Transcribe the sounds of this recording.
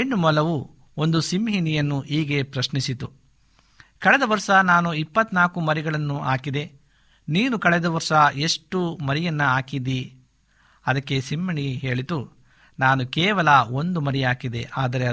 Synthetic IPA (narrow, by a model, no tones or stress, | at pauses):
eɳɖumɔlɐʋu | o̞nd̪usimɦinijɐnːuʔiːɡe̞pɾɐʃnisit̪u | kɐɭɛd̪ɐʋɐɾʂɐnaːnuipːɐt̪naːkumɐɾiɡɐɭɐnːuʔaːkid̪e̞ | niːnukɐɭɛd̪ɐʋɐɾʂɐe̞ʂʈumɐɾijɐnːɐaːkid̪i | ɐd̪ɐkːe̞simːɐɳiɦe̞ːɭit̪u | naːnukɛːʋɐlɐo̞nd̪umɐɾijaːkid̪e̞ʔaːd̪ɐɾe